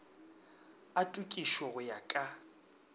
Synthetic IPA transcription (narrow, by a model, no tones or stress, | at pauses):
atʼukʼiʃwɔɣʊjakʼa